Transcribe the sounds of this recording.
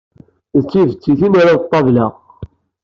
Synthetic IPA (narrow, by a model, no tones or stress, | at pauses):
t͡sːivət͡sːiθinaɾaðt̪ˤːɑvlæ̰ʁ